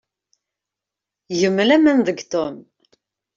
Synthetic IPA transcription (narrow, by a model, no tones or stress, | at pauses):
jəmːlæmænðəɡt̪ʊm